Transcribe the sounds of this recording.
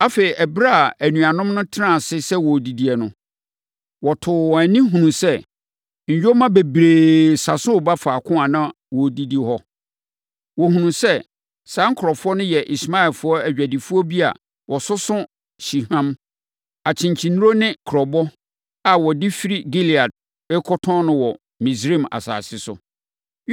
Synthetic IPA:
a˦fe˨i˨ʔɛ˨bɾa˦˨æ˨nũ˨a˨nʊ̃˦mnʊ̃˦tʰɪ˦nã˦˨sɪ˦sɛ˦wɔ˨di˨di˨ɛ˨nʊ̰̃˦ | wɔ˨tʰʊ˨ɔ˨æ˨nĩ˦ɦũ˨nũ˨sɛ˦˨ | ɲ̩˨jᶣo˦mã˦be˨bɾeː˨sa˨sʊ̃˦ʊ˨ba˦fa˨kʰʊ̃˦a˨nã˦ | wɔ˨di˦di˦hɔ˦ | wɔ˨hũ˨nũ˨sɛ˦ | sã˨˦ŋ̩˦kʰʊ˨ɾɔ˨fʊ˦ɔ˦nʊ̃˦jɛ˨ʔi˨sma˦ɛ˨lfʊ˨˦ɔ˦æ˨ɥᶣæ˨di˨fu˦ɔ˦bi˦a̰˨ | wʔɔ˨sʊ˦sʊ̃˦ | ɕi˨hã˦m | a˨t͡ɕʰɪ̃˨ɲt͡ɕʰĩ˨nũ˦ɾo˦nɪ̃˦kʰɾɔ˨bɔ˦ | a˨wɔ˨dɪ˦fi˦ɾi˦ɡi˦li˨a˨d̚ | bɛ˦kʰɔ˦tʰɔ̃˦nʊ̃˦wɔ˨ | mĩ˨sɾi˦˨ma̰˨sa̰ː˨sɪ˦sʊ̰˨

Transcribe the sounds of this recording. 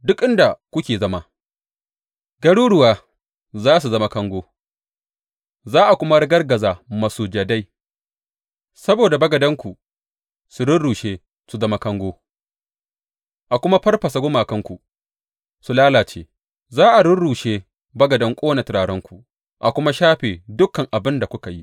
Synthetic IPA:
dʊ˦kʔɪ˦nda˨kʷʊ˦kʲeː˨zɐ˦ma˦ | ɡɐ˦ɽuː˦ɽʊ˨waː˨ | zaː˦s̬u˨zɐ˦ma˦kɐ˦ŋɡʷoː˦ | zaː˦ʔa˨kʷʊ˦ma˦ɽɪ˦ɡɐ˦rɡɐ˨zaː˨mɐ˨suː˨d͡ʒa˨da˦j | sɐ˦boː˨da˨bɐ˦ɡɐ˨dɐ˦ŋkʷu˨ | su˨ɽʊ˦ɽuː˨ʃeː˦ | su˨zɐ˦ma˦kɐ˦ŋɡʷoː˦ | ʔa˨kʷʊ˦ma˦ɸɐ˦rɸɐ˨sa˨ɡʷʊ˦maː˨kɐ˦ŋkʷu˨ | su˨laː˦laː˨t͡ʃḛː˦ | zaː˦ʔa˨ɽɪ˦nɽuː˨ʃeː˦ | bɐ˦ɡɐ˨dɐ˦ŋkʷʼoː˦na˨tɪ˨ɾaː˨ɽɔ˦ŋkʷu˨ | ʔa˨kʷʊ˦ma˦ʃaː˦ɸeː˨dʊ˦kɐ˨ŋʔa˨bɪ˦nda˨kʷʊ˦ka˨ji˦

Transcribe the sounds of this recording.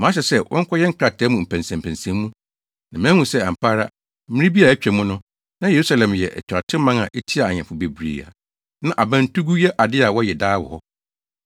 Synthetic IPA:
m̃˨˦ɕ̬ɛ˨sɛ˦wʔɔ̰̃˦ŋ̩˦kʰʷɔ˦jɛ˦ŋ̩˦kʰɾa˨tʰɛː˨˦mũ˨m̩˨pʰæ̃˨nsæ̃˨m˨pʰæ̃˨nsæ̃˨˦mːũ˦ | nã˨m̃ː˦hũ˨sɛ˦a˨m˨pʰaː˦ɾa˦ | mɪ̃˦ɪ̃˦bi˦a˨æ˦t͡ɕᶣɛ˨mũ˦nʊ̃˦ | nã˦je˨ɾu˦sa˦lɛ̃˨mjɛ˨ʔɛ̰˨t͡ɕʰᶣa˨tʰɪ˦mã˦ŋã˨ʔe˦tʰi˦a˨a˨ɲɛ̃˨fʊ˨be˨bɾḭː˨a̰˨ | nã˦ʔa˨bã˦n˦tʰu˦ɡu˦jɛ˦ʔa˨dɪ˦a˨wɔ˦jɛ˨daː˦wɔ̰˨hɔ˦

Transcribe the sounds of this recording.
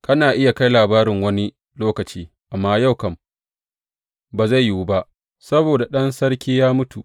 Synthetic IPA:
kɐ˦naː˨ʔɪ˦ja˨ka˦jlaː˨baː˦ɾɪ˨ŋwɐ˦ni˦ | loː˦kɐ˨t͡ʃiː˦ | ʔa˨mːaː˦ja˦˨wkɐ˨m | baː˨za˦˨jjuː˦ba˦ʔ | sɐ˦boː˨da˨ɗɐ˦nsɐ˦rkʲiː˦jaː˦mʊ˦tu˨ʔ

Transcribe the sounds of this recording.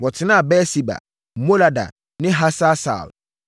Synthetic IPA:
wɔ˨tʰɪ˨˦nã˦˨bɛ˦si˨ba̰˨ | mo˦la˨da̰˨ | nɪ̃˦ɦa˦sa˦sa̰˨l

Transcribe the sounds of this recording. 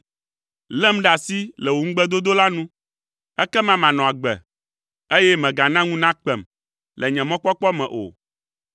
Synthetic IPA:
lɛ˦m˦ɖa˨si˦lɛ˨wo˨ŋ̩˦ɡ͡bɛ˦d̪o˦d̪o˦la˦nũ˦ | ɛ˦kɛ˦mã˨mã˨nɔ̃˨a˨ɡ͡bɛ̰˨ | e˦jɛ˦mɛ̃˨ɡa˨nã˦ŋũ˦nã˦k͡pɛ˨m | lʔɛ˨ɲɛ̃˨mɔ̃˦k͡pɔ˦k͡pɔ˦mɛ̰̃˨ʔo̰˨

